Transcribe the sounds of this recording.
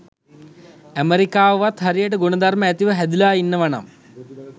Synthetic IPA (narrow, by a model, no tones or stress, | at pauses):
æmeɾikaːʋəʋat̪ɦɐɾijəʈəɡunɐd̪ɐrməæt̪iʋəɦæd̪ilaːinːəʋaɳɐ̰m